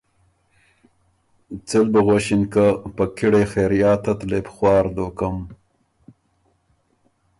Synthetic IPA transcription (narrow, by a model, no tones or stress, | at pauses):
t͡sɪlbəɣoʃinkəpəkiɽexeɾjɑːt̪at̪lepxwɑːɾd̪okəm